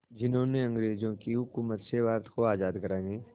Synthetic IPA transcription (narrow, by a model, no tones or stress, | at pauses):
d͡ʒɪnɦõːneɐ̃ŋɡɾeːzõkiɦʊkuːmət̪seʋaːɾt̪koaːzaːd̪kəɾaːneː